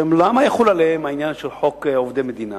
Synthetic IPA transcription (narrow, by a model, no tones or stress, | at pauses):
mlamajaχulalehemainjanʃelħokovd̪emed̪ina̰